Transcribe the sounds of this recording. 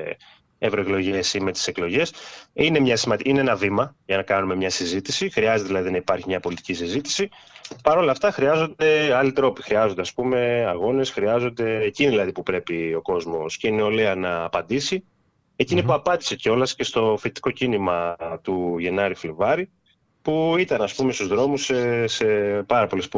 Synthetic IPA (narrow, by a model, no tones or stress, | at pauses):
evɾo̞e̞klo̞ʝe̞sime̞t̪i̥se̞klo̞ʝe̞sine̞mɲɐsimɐineenɐvimɐʝɐnɐkɐnume̞mɲɐsizit̪isixɾiɐzet̪eðilɐðinɐipɐɾçimɲɐpo̞lit̪icisizit̪i̥si | pɐɾo̞lɐft̪ɐxɾiɐzo̞nd̪e̞ɐlit̪ɾo̞pixɾiɐzo̞nd̪e̞ɐspume̞ɐɣo̞ne̞sxɾiɐzo̞nd̪e̞ːciniðilɐðipupɾe̞pio̞ko̞zmo̞sceineo̞leɐnɐːpɐnd̪isi | e̞cinipuɐpɐnd̪i̥se̞ceo̞lɐsce̞st̪o̞fit̪i̥ko̞cinimɐt̪uʝe̞nɐɾiflevɐɾi | puit̪ɐnɐspumest̪uzðɾo̞musesepɐɾɐpo̞lis